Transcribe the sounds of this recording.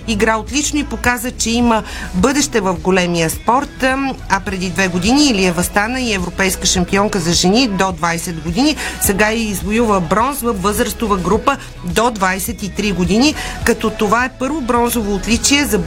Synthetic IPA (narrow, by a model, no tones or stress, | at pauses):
iɡɾaot̪lʲit͡ʃnoipokazət͡ʃɛimə | bɤd̪ɛʃt̪ɛvəfɡolɛmiəspɔɾt̪ɐpɾɛd̪id̪vɛɡod̪iniːliɛvɐst̪anəiɛvɾopɛjskəʃɐmpiɔŋkəzɐʒɛnid̪od̪vajsɛd̪ɡod̪inisɛɡaiːzvojuvəbɾɔnsvəfːɤzɾəst̪ovəɡɾupə | d̪od̪vajsɛt̪it̪ɾiɡod̪inikɐt̪ɔt̪ovaɛpɤɾvobɾɔnzovoːt̪lʲit͡ʃiɛzɐ